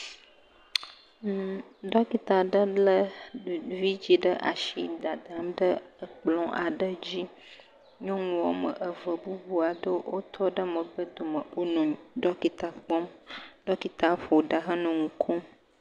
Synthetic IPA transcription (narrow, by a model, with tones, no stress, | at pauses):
ɖɔ˦ki˨t̪a˨ɖə˦lə˦ | vi˦d͡ʑi˦ɖə˦ʔa˨ʃi˦d̪a˨d̪a˨˦mɖə˦ə˨k͡plɔ̃˦ʔa˨ɖə˦d͡ʑi˦ | ɲɔ̃˦ŋũ˨wɔ˨mə̰˨ʔə˨və˨bu˦bu˦a˨ɖə˦wo˦t̪ʰɔ˦ɖə˦mə̃˨bə˦d̪o˨mə˨o˦nũ˨ɲ˨ɖɔ˦ki˨t̪a˨k͡pɔ˦mɖ̥ɔ˦ki˨t̪a˨ɸo˨ɖa˨ɦə˦nũ˨ŋ̩˨kʰɔ˦m